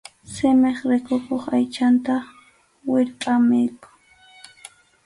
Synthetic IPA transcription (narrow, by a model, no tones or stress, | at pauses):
sɪmeχɾɪkokoχajt͡ʃant̪a | wɪɾpʼamɪjkʊ̥